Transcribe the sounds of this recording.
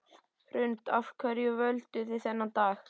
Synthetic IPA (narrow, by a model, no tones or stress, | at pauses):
hɾʏnt̪afkʰvœɾjʏvœlt̪ʏθɪθɛnːant̪aːx